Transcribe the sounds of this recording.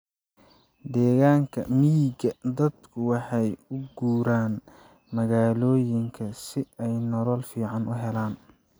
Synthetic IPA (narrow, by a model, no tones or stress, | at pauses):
d̪ɛːɣaːŋkʰɐ̰miɡɐd̪ɐd̪kʰʊwɑħɑjʊɡuːɾaːn | mɐɣaːlɔːjɪŋkʰɐsɪɛjnɔɾɔlfiːʕɑnʊɦɛlaːn